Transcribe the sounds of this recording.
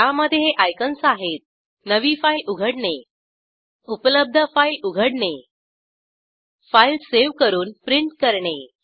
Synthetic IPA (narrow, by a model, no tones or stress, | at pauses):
t̪aməd̪ʱːjeɦeʔajkənsaɦet̪̚ | nəʋiːfailuɡʱəɽɳe | upələb̚d̪ʱəfailuɡʱəɽɳe | failseʋkəɾuːnpɾiɳʈkəɾɳe